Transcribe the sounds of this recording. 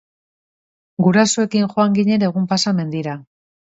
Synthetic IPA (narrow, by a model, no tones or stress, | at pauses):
ɡuɾasoe̞kiŋʝo̞aŋɡiɲe̞ɾe̞ɣumpasame̞nd̪iɾa